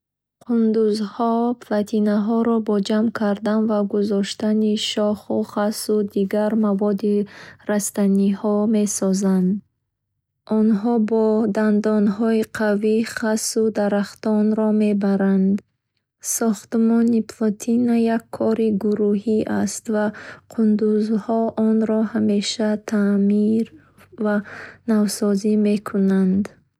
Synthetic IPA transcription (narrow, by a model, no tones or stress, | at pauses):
qʰund̪uzhɔpʰlat̪ʰinaɦɔɾɔbɔd͡ʒamkʰaɾd̪anvaɡuzɔʃt̪aniʃɔχuχasud̪iɡaɾmavɔd̪iɾast̪anihɔme̞sɔzand̪ | ʔɔnɦɔbɔd̪and̪ɔnɦɔiqʰaviχasud̪aɾaχt̪ɔnɾɔme̞baɾand̪ | sɔχt̪mɔniplɔt̪ʰinajakʰːɔɾiɡuɾuɦiʔast̪vaqʰund̪uzhɔɔnɾɔhame̞ʃat̪ʰamiɾ | vanavsɔzime̞kʰunand̪